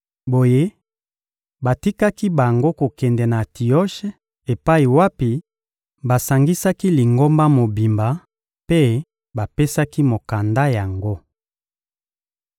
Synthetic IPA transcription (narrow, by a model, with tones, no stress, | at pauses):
bo˨je˦ | ba˨ti˦ka˦ki˦ba˨ŋɡo˦ko˨kɛ˨ndɛ˨na˨ti˨ɔ˦ʃe˦ | e˨pa˦i˨wa˦pi˨ | ba˨sa˨ŋɡi˦sa˦ki˦li˨ŋɡo˦mba˦mo˨bi˨mba˨ | pe˦ | ba˨pe˦sa˦ki˦mo˨ka˨nda˦ja˨ŋɡo˦